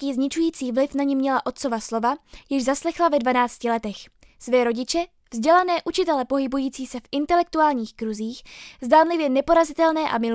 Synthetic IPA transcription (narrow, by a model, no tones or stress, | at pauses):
iːzɲɪt͡ʃujiːt͡siːvlɪfnaɲɛmɲɛlaʔo̞t̪̚t͡so̞vaslo̞vajɪʒzaslɛxlavɛdvanaːt͡scɪlɛt̪ɛx | svɛːɾo̞ɟɪt͡ʃɛ | vzɟɛlanɛːʔut͡ʃɪt̪ɛlɛpo̞ɦɪbujiːt͡siːsɛfʔɪnt̪ɛlɛk̚t̪uaːlɲiːxkɾuziːxzdaːnlɪvjɛnɛpo̞ɾazɪt̪ɛlnɛːʔa̰mɪ